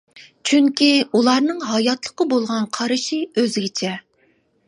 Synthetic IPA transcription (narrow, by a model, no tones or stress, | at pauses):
t͡ʃʰyŋkʲʰiulˠɑɾnɨŋɦɑjɑt̪lˠəqəbolˠʁɑnqʰɑɾɨʃiøzɪɡʲɪt͡ʃʰɛ